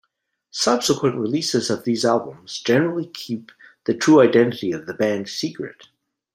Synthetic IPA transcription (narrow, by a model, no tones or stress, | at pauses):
sʌb̥səkʰwə̃nʔɹilisɨzʌvðizælˠbə̃mz̥d͡ʒɛnə˞l̩ˠikʰip̚ðɨtʰɹ̥uaɪdɛ̃nɨɾiʌvðɨbæ̃nd̥sikɹɨ̰t̚